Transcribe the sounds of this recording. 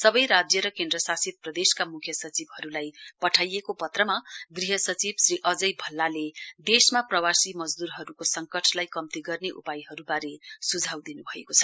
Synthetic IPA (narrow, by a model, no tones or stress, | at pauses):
sʌbʌjɾad͡zjʌɾʌkend̪rʌsasit̪̚prʌd̪eskamukʰjʌsʌt͡sibɦʌɾulajpʌʈʰajekopʌt̪rʌmaɡriɦʌsʌt͡sibsriʔʌd͡zʌjbʱʌlːaled̪esmaprʌwasimʌd͡zd̪uɾɦʌɾukosʌŋkʌʈʰlajkʌmt̪iɡʌrneʔṵpajɦʌɾubaɾesud͡zʱawd̪inubʱʌekot͡sʰʌ̥